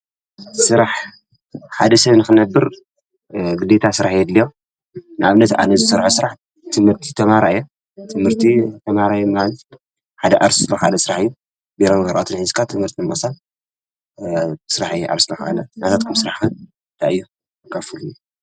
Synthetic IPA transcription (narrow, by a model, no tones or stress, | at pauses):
sɨɾaħ | ħad̪ɐsɐβnɨxɨnɐbːɨɾ | ɡɨd̪et̪ʰasɨɾaħjɛd̪lijo | nɨaβnɐt̪ʔa̰nɐzɨsɨɾħosɨɾaħ | t̪ʰɨmhɨɾt̪ʰi̥t̪ʰɐmaɾaʔɨjːu | t̪ʰɨmhɨɾt̪ʰit̪ʰɐmaɾajumal | ħad̪ɐʔaɾssɨlaxalɐsɨɾaħɨjːu | beɾambɐɾʔat̪ʰɨnhɨzkʰat̪ʰɨmhɨɾt̪ʰimbɐsa | sɨɾaħjʔa̰ɾslɐxʔa̰lɐnat̪ʰat̪kʰumsɨɾaħxɨ | t̪ʰaʔɨjːu | kʰafɨluj